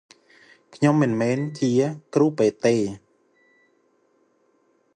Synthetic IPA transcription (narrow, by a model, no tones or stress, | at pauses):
kʰɲomːɨnmɛːnt͡ɕiəkruːpeːt̪eː